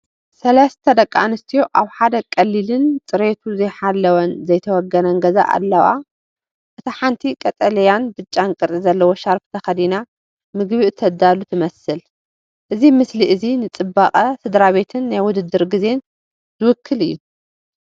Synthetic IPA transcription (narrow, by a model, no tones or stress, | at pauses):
sɐlɐst̪ʰɐd̪ɐkʼːa̰nɨst̪ʰijoʔaβħad̪ɐkʼɐlːilɨnt͡sʼɨɾet̪ʰuzɐjħalːɐwɐnzɐjt̪ʰɐwɔɡːɐnɐŋɡɐza̰ʔa̰lːɐwa̰ | ʔɨt̪ʰaħant̪ʰikʼɐt̪ʼɐlɐjanbɨt͡ʃʼːankʼɨɾizɐlːɐwo̞ʃaɾft̪ʰɐxɐd̪ina | mɨɡβiʔɨt̪ʰːɐd̪alut̪ʰɨmɐsɨl | ʔɨzimɨsliʔɨzinɨt͡sʼɨbaqʼɐsɨd̪ɾaβe̞t̪ʰɨnːajwʊd̪ɨd̪ːɨɾɡize̞n | zɨwʊkʰːɨlɨjːu